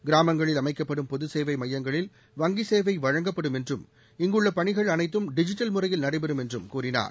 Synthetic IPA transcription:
ɡɪɾaːmɐŋɡɐɭɪlɐmɐɪkːɐpːɐɽɯmpɔðɯseːʋɐɪmɐjːɐŋɡɐɭɪl | ʋɐŋɡɪseːʋɐɪʋɐɻɐŋɡɐpːɐɽɯmɛndrɯm | ɪŋɡɯɭːɐpɐɳɪɣɐɭɐnɐɪt̪ːɯmɖɪd͡ʒɪʈːɐlmɯrɐjɪlnɐɽɐɪbɛɾɯmɛndrɯmkuːrɪna̰ːɾ

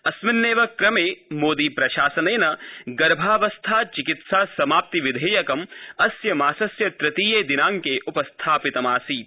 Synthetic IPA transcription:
ɐsmɪnːeːʋɐkɾɐmeːmoːd̪iːpɾɐʃaːsɐneːnɐɡɐɾbʱaːʋɐst̪ʰaːt͡ʃikit̪saːsɐmaːp̚t̪iʋid̪ʱeːjɐkɐmɐsjɐmaːsɐsjɐt̪ɾɪt̪iːjeːd̪inaːŋkeːʔupɐst̪ʰaːpit̪ɐmaːsiː

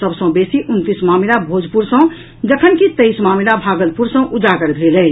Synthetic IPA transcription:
səbsə̃besiʔunt̪ismamilabʱod͡ʒʱpuɾsə̃ | d͡ʒəkʰənkit̪eismamilabʱaɡəlpuɾsə̃ʔud͡ʒakəɾd̪ʱilə

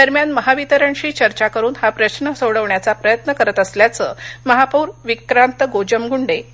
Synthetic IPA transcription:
d̪əɾmjanməɦaʋit̪əɾəɳɕiːt͡ɕəɾt͡ɕakəɾuːnhapɾəɕnəsowɽəʋɳjat͡sapɾəjət̪nəkəɾət̪əsljat͡səːməɦapuːɾʋikɾant̪əɡod͡ʑəmɡuɳɖe

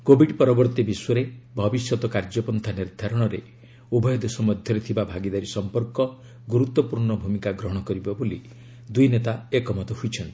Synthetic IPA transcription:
kobʱiɖpɔɾɔbɔɾt̪ibiswɔɾebʱɔbisjɔt̪ɔkaɾd͡ʒɔpɔnt̪ʰaniɾd̪ʱaɾɔɽ̃ɔɾe | ubʱɔjɔd̪esɔmɔd̪ʱjɔɾet̪ʰibabʱaɡid̪aɾisɔmpɔɾkɔ | ɡuɾut̪wɔpuɾɳɔbʱumikaɡɾɔɦɔɽ̃ɔkɔɾibɔboli | d̪ujnet̪aekɔmɔt̪ɔɦujt͡ʃʰɔnt̪i̥

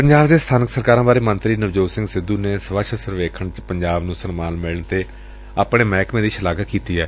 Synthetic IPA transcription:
pəɲd͡ʒaːbd̪eːst̪ʰaːnəksəɾkaːɾãːbaːɾeːmənt̪ɾiːnəʋd͡ʒoːsɪ̃ŋɡsɪd̪uːneːsəʋəʃəsəɾʋeːkʰəɳt͡ʃpəɲd͡ʒaːbnũːsənmaːnmɪlɳt̪eː | aːpɳẽːmɛːkmẽːd̪iːʃəlaːɡəkiːt̪iːɛː

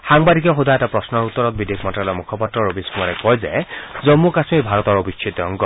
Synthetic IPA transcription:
xaŋbadikɛxudʱaɛtapɹɔsnɔɹut̪ːɔɹɔt̪̚bid̪ekʰmɔntalɔmukʰɔpɔtɹɔɹobiskʰumaɾɛkɔjzḛzɔmːukasmibʱaɹɔt̪ɔɹobisʰit̪ɔŋɡɔ

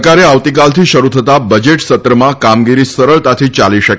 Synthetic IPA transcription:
kaɾeaʋt̪ikalt̪ʰiʃəɾut̪ʰət̪abəd͡ʒeʈsət̪ɾəmãkamɡiɾisəɾəɭt̪at̪ʰit͡ʃaliʃək

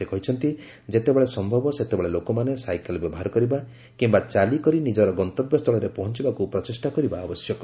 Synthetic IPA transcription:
ekɔɦit͡ʃʰɔnt̪i | d͡ʒet̪ebeɭesɔmbʱɔbɔset̪ebeɭelokɔmanesajkelbebɔɦaɾkɔɾiba | kimbat͡ʃalikɔɾinid͡ʒɔɾɔɡɔnt̪ɔbjɔst̪ʰɔɭɔɾepɔɦɔnt͡ʃibakupɾɔt͡ʃesʈakɔɾibaːbɔsjɔkɔ

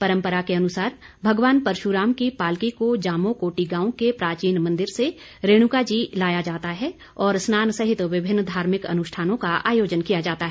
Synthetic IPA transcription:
pɐɾə̃mpəɾakeɐnʊsaːɾ | bʱɐɡʋaːnpɐɾʃuɾaːmkipaːlkikod͡ʒaːmokoːʈiɡãːõkepɾaːt͡ʃiːnmɐ̃nd̪ɪɾse | ɾeːɽ̃ʊkad͡ʒiːlaːjad͡ʒaːt̪aɦɛ | ɔːɾsnaːnsɐɦɪt̪ʋɪbʱɪnːd̪ʱaːɾmɪkɐ̰nʊʃʈʰaːnõkaa̰ːjoːd͡ʒənkijad͡ʒaːt̪aɦɛː

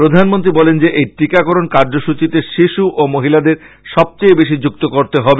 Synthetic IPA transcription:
pɾod̪ʱanmont̪ɾibɔlend͡ʑeʔejʈikakoɾonkaɾd͡ʑoʃut͡ɕit̪eʃiʃuʔomoɦilad̪eɾ | ʃɔb̚t͡ɕejbeʃ̬id͡ʑuk̚t̪okoɾt̪eɦɔbe

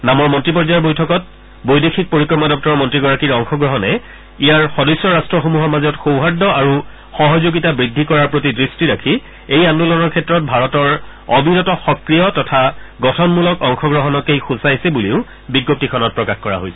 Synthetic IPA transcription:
namɔɹmɔntɹipɔɹzajɔɹbojtʰɔkɔt̚ | bojdexʰik̚poɹikɹɔmadɔp̚tɔɹɔmɔntɹiɡɔɹakiɹɔŋxɔɡɹɔɦɔnɛ | ijaɹxɔdɔjsːɔɹastɹɔxomuɦɔɹmazɔtxowɦadːɔaɹu | xɔɦɔzoɡitabɹidʱːikɔɹaɹpɹotidɹistiɹakʰi | ejandulɔnɔɹkʰɛtːɹɔt̚bʱaɹɔtɔɹ | ɔbinɔtɔxɔkɹijɔtɔtʰaɡɔtʰɔnmulɔkɔŋxɔɡɹɔɦɔnɔkejxusajsɛbuliʊ | biɡop̚tikʰɔnɔt̚pɹɔkaxkɔɹa̰ɦojsɛ̥

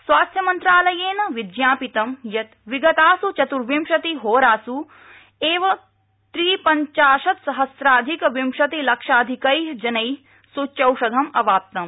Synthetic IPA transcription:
sʋaːst̪ʰjɐmɐnt̪ɾaːlɐjeːnɐʋid̪jaːpit̪ɐmjɐt̪ʋiɡɐt̪aːsut͡ʃɐt̪uɾʋimʃɐt̪iɦoːɾaːsu | eːʋɐ | t̪ɾiːpɐɲt͡ʃaːʃɐt̪sɐɦɐsɾaːd̪ʱikɐʋimʃɐt̪ilɐkʂaːd̪ʱikɐjɦd͡ʒɐnɐj | sut͡ʃɐwʃɐd̪ʱɐmɐʋaːp̚t̪ɐm

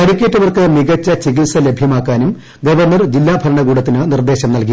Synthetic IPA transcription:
ɐɽikʲːeːʈːɐʋɐrkɨmiɣɐt͡ɕːɐt͡ɕiɣilsɐle̞bʱjɐmaːkːaːnum | ɡɐʋɐrnɐrd͡ʑilːaːbʱɐɾɐɳɐɣuːɽɐt̪ːinɨnird̪e̞ːɕɐmnɐlki

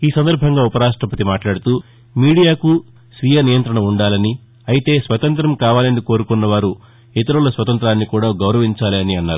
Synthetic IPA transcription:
iːsɐnd̪ɐɾbʱɐŋɡaːupɐɾaːʂʈɾɐpɐt̪imaːʈlaːɽut̪uː | miːɽijaːku | sʋijɐnijɐnt̪ɾɐɳɐuɳɖaːlɐni | ɐjit̪e̞ːsʋɐt̪ɐnt̪ɾɐmkaːʋaːlɐniko̞ːɾukunːɐʋaːɾu | it̪ɐɾulɐsʋɐt̪ɐnt̪ɾaːnːikuːɽaːɡɐwɾɐʋiɲt͡ʃaːliɐniɐnːaːɾu

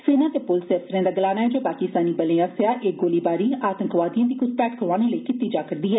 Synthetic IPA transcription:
seːnãːt̪eːpʊlseːsəɾẽːd̪aːɡəlaːnaːɦɛːd͡ʒoːpaːkɪst̪aːniːbəleːãːsejaːʔeːk̚ɡoːliːbaːɾiːaːt̪əŋkʋaːd̪ijãːd̪iːkʊspɛːʈkʰəɾʋaːneːləikɪt̪ːiːd͡ʒaːkəɾd̪iːɦɛː

